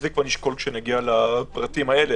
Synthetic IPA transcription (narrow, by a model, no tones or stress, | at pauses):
zikvaniʃko̞lkʃeneɡialapʁat̪imae̞le